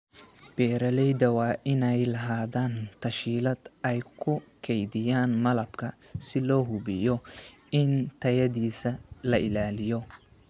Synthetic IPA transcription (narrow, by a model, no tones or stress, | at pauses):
b̥ɛːɾɐlɛjd̪ɐwɑːʔɪnɛjlɐɦaːðaːnt̪ʰɐʃiːlɐd̪̥ʔɛjkʰʊkʰɛjðɪjaːnmɐlɐbkʰɐ | sɪlɔːɦʊβɪjɔ | ɪnt̪ʰɐjɐðiːsɐlɐʔɪlaːlɪjɔ